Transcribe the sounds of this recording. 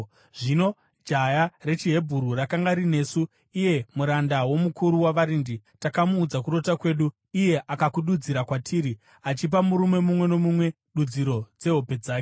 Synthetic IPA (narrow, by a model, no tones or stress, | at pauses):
ʐino̞ | d͡ʒajare̞t͡ʃiɦe̞bʱuɾurakaŋɡaɾine̞ːsu | ije̞muɾandawo̞mukʰuɾuwaʋaɾinditakamuːd͡zakuɾo̞takwe̞ːɗu | ije̞ʔakakuɗud͡ziɾakwatʰiːɾi | at͡ʃip̬amuɾume̞mumwe̞no̞mumwe̞ | ɗud͡ziɾo̞d͡ze̞ɦo̞pe̞d͡zaːke